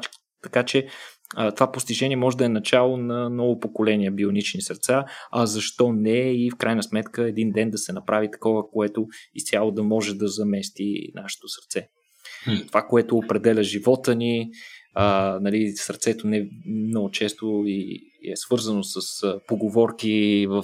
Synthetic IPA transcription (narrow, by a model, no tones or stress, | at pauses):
t̪ɐkat͡ʃɛ | t̪ovapost̪ʲiʒɛnʲiɛmɔʒɛd̪ɐɛnɐt͡ʃalˠonɐnɔvopokolɛniɛbionit͡ʃnisɐɾt̪saɐzɐʃt̪ɔnɛifkɾʔajnəsmɛt̪kəɛd̪ind̪ɛnd̪ɐsɛnɐpɾavit̪ɐ̥kɔvəkoɛt̪oist̪ʲjalˠod̪ɐmɔʒɛd̪ɐzɐmɛst̪ḭnaʃɛ̥t̪osɐɾt̪sɛ | t̪ovakoɛt̪oːpɾɛd̪ɛlʲəʒivɔt̪əni | ənɐlisəɾt̪sɛt̪onɛmnɔɡʊt͡ʃɛst̪oiɛsv̥ɤɾzənosəspoɡovɔɾkivəf